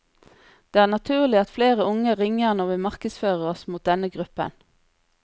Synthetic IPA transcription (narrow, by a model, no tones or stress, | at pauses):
d̪̥eːæːʁnɑt̪ʰʉːʁlɪɑt̪fleːʁəʊŋəʁɪŋəʁnɔʁʋiːmɑʁkəsføːʁəʁɔsmuːt̪̚d̪ɛnəɡʁʉpə̰n